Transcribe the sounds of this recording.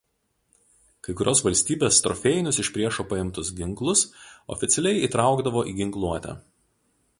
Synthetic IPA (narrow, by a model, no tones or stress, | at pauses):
kɐɪkʊɾʲoːsʋɐlʲsʲt̪ʲiːbʲeːst̪ɾɔ̰fʲɛɪnʲʊsɪʃʲpʲɾʲiɛʃoːpɐɪmt̪ʊsɡʲɪŋklˠʊsɔ̰fʲɪt̪sʲɛlʲɛɪiːt̪ɾɑˑʊɡd̪ɐʋoːʔiːɡʲɪŋklˠuɔt̪ʲɛ̰